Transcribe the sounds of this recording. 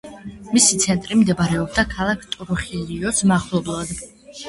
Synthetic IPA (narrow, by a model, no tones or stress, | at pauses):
misit̪sʰɛnt̪ʼɾimd̪ɛbaɾɛɔb̚d̪akʰalˠakʰt̪ʼuɾuχiliɔsmaχlˠɔblˠad̪